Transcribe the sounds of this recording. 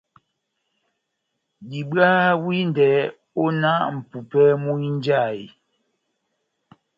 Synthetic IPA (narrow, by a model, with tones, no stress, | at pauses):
bi˨bɰa˦wi˦n˨dɛː˨ | o˦na˦ʔm̩˨pu˨pɛ˦mu˦i˦n˦d͡ʒa˦˨i˨